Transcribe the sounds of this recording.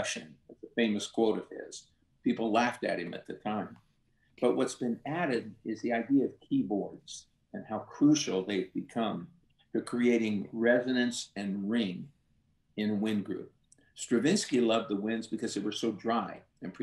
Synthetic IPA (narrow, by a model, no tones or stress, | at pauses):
ʃɨ̰̃nʌzðəfẽɪ̃mɨskʰw̥oʊɾʌv̥ɪ̰z̥ | pipl̩ˠlæftɨ̰t̚hɨ̃mɨ̰t̪̚ðɨtʰãɪ̃m | b̥ʌʔ̚wʔʌtsb̥ɨ̃næɾɨɾɪzðiaɪdiɨʌv̥kʰibɔɹdz̥ | ɨ̃nhaʊkʰɹ̥ʉʃl̩ˠðeɪvbɨkʰʌ̃m | tʰɨkʰɹ̥ieɪɾɪ̃ŋɹɛzɨnɨ̃nsɨ̃nɹɪ̃ŋ | ɪ̃nwɪ̃nɡɹʉ̰p̚ | stɹ̥ɨvɪ̃nskilʌvd̪̚ðəwɪ̃ndzbɨkʰʌzðeɪwə˞soʊdɹaɪ | ɨ̃npʰɹ̥